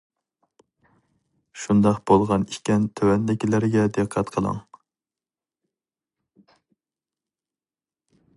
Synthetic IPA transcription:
ʃund̪ɑqb̥olˠʁɑniʃkʲɛnt̪ʰøwɛnd̪ɪkʲilɪɾɪɡʲɛd̪ɨqʰːɑt̪qʰəlˠɑ̰ŋ

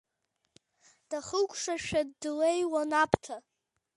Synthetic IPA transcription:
d̥aχəkʷʰʼʂaʃᶣadːlejwanapʰʼtʰa

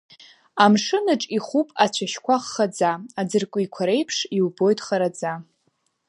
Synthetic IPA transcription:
amʂɨnɨʈ͡ʂʼiχupʼat͡ɕʷʰaʃkʷʰaχːad͡zaad͡zɨrkʷʼʊikʷʰaɾe̞jpʰʂiwbo̞jtʼχaɾad͡za

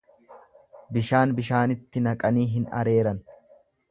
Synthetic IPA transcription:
bɪʃaːnbɪʃaːnɪt̪ːɪnɐkʼɐniːɦɪnɐ̰ɾe̞ːɾɐn

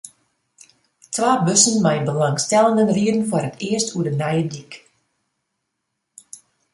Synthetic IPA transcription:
tʰwaːbøsənmɛjənbəlɑŋstɛlˠəndənriədən̩fʊrətʰɪəstʰuədənɛjədik

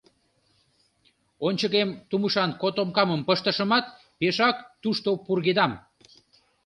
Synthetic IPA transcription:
onʲt͡ɕəɣemt̪uməʃɑnkot̪omkɑməmpəʃt̪əʃəmɑt̪ | peʃɑkt̪uʃt̪opurɣed̪ɑm

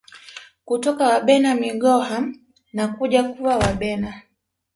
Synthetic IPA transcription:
kutɔkawaɓɛnamiɡɔha | nakuʄakuwawaɓɛna

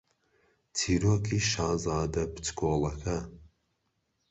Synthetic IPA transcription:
tʰiːɾoːkʰiʃaːzaːd̪ɐpɨ̥tkʰoːlˠɐkʰɐ

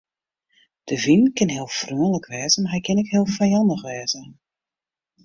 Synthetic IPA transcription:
d̥əvinkɪnɦiːlˠfrøːələkʋɛːzəmaɦɛjkʰɪnɪkɦɪːəlˠfajɑndəxʋɛːzə

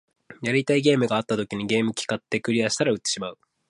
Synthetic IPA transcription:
jaɾʲit̪aiɡe̞ːmɯ̟ɡaːt̪ːat̪o̞kʲiɲ̟iɡe̞ːmɯ̟kʲi̥kat̪ːe̞kɯ̟ɾʲiaɕi̥t̪aɾaɯ̟t̪ːe̥ɕimaɯ̟

